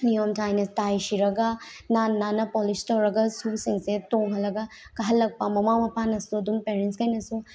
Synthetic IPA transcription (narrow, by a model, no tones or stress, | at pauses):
nijomtʰajnɐtajsiɾɐɡanannanɐpolistɐwɾɐɡasusiŋsetoŋɦɐlɐɡa | kɐɦɐlːɐk̚pɐmɐmamɐpʰanɐsuɐdumpeɾenskɐjnɐsu